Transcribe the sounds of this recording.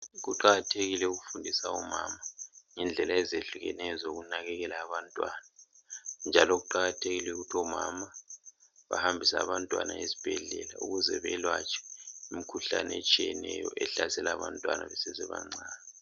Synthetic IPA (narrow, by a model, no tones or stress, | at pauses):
ɣuǃaɣatʰeɣilɛuɣufundʱisauma̰ːmaŋɛnd͡ɮʱɛlaɛzeɬuɣɛnɛjɔzoɣunaɣɛɣɛlaːβantʼwaːna | nd͡ʒʱaloɣuǃaɣatʰeɣilɛuɣutʰiɔmama | βa̰hambʱisa̰βantʼwa̰naezi̥b̥ʱɛɮɛlauɣuzɛβɛlwat͡ʃʰʼɛ̥imikʰuɬanɛet͡ʃʼijɛnɛjɔ̰ʔɛɬasɛlaːβantʼwa̰nʔa̰βɛsɛzɛβa̰ŋ͡ǀaːnɛ